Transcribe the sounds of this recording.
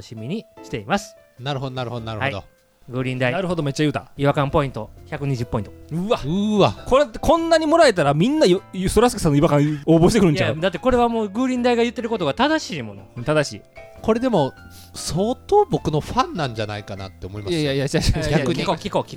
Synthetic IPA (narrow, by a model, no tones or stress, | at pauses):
ɕimʲiɲ̟iɕi̥t̪e̞imasɨ̥naɾɯ̟ɦod̪onaɾɯ̟hod̪onaɾɯ̟haid̪o̰ | ɡɯ̟ːɾʲĩnd̪ainaɾɯ̟ɦo̞d̪o̞me̞t͡ɕːajɯ̟ːt̪a̰iβakãmpo̞ĩnt̪o̞çakɯ̟ɲ̟iʑɨpːoĩnt̪oɯ̟βaɯ̟βakoɾekʰõ̞nːaɲ̟imo̞ɾae̞t̪aɾamʲĩnːaist̪oɾasɨki̥sanːoiβakãɰ̃oːbo̞ɕi̥t̪ekɯɾɯ̟ɲjt͡ɕaod̪at̪ːe̞ko̞ɾe̞βamo̞ːɡɯ̟ːɾʲĩnd̪aiɡajɯ̟t̪ːe̞ɾɯ̟ko̞t̪o̞ɡat̪ad̪aɕiːmo̞̰no̞̰t̪ad̪aɕḭːko̞ɾe̞d̪e̞mo̞ | soːt̪oːbo̞kɯ̟no̞ɸãnːãɲ̟d͡ʑanaikana̰t̪ːe̞omo̞imajsajajat͡ɕaɕʲakɯɲikokʲikokʲi̥